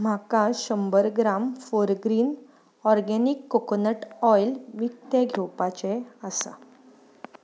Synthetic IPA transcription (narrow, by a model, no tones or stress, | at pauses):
m̤akaɕəmbəɾɡɾamfoɾɡɾiːn | ɔɾɡɛnikːokonəʈɔjlʋik̚t̪eɡʱewpat͡ɕɛəsa̰